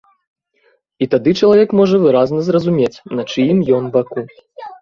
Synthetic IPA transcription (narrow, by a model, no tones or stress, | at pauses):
it̪ad̪ɨt͡ʂɐlˠavʲɛkmɔʐɐvɨɾaznɐzrɐzumʲet͡sʲnɐt͡ʂɨjimjɔnbaku